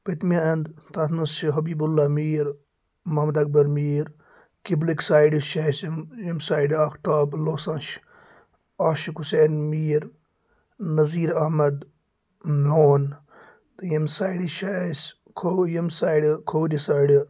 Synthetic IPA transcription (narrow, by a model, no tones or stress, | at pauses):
pɐt̪maɐnd̪t̪at̪ʰnusɦɐbiːbulːaːmiːɾ | mɐɦmɐd̪ɐk̚bɐɾmiːɾ | kibliksaːjiɖiʃɐsmjɐmsaːiɖaːxt̪aːbloːsɐ̃nʃ | aːʃikhuseːnmiːɾ | nɐziːɾɐhmɐd̪ | loːn | t̪jɐmsaːiɖiʃas | kʰojɐmsaːiɖkʰoːd̪isaːjɖ